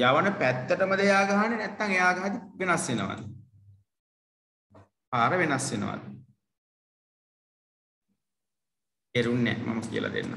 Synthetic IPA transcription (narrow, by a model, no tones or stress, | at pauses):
jaʋanəpæt̪ːəʈəməd̪əejaːɡɐɦanenɛt̪ːaŋejaːɡɐɦad̪iʋenasʋenəʋa̰d̪ə | paːɾəʋenasʋenə̰ʋa̰d̪ə | eɾunːɛ̰ma̰məkḭə̰lʔa̰d̪ḛnːa̰